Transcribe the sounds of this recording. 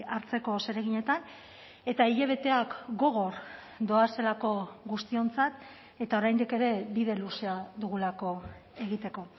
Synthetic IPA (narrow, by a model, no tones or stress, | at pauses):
aɾt͡se̞ko̞se̞ɾe̞ɣ̞iɲe̞t̪an | e̞t̪aiʎeβ̞e̞t̪e̞akɡo̞ɣ̞o̞ɾ | d̪o̞ase̞lako̞ɣust̪io̞nt͡sat̪ | e̞t̪ao̞ɾajnd̪ike̞ɾe̞biðe̞luseaðuɣulako̞e̞ɣ̞it̪e̞ko̞